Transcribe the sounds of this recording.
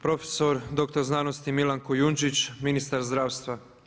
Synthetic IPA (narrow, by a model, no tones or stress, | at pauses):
pɾo̞fe̥soɾd̪o̞kt̪oɾznaːnost̪imilaŋkojunt͡ʃit͡ʃminist̪aɾzd̪ɾaːwst̪ʋa